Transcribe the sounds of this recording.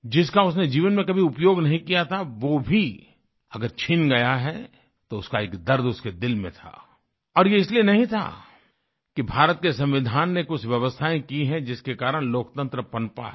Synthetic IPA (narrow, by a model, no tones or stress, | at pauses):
d͡ʒɪskaʊsned͡ʒiːʋənmẽkɐbʱiʊpjoːɡnɐɦĩkijat̪ʰaʋobʱi | ɐɡəɾt͡ʃʰɪnɡɐjaɦɛ | t̪oʊskaeːkd̪ɐɾd̪ʊsked̪ɪlmḛ̃t̪ʰa̰ː | ɔːɾjeɪslienɐɦĩt̪ʰa̰ | kibʱaːɾət̪̚kesɐ̃mʋɪd̪ʱaːnːekʊt͡ʃʰʋjɐʋəst̪ʰaːẽkiɦɛ̃d͡ʒɪskekaːɾəɽ̃loːk̚t̪ə̃nt̪ɾəpɐ̃npa̰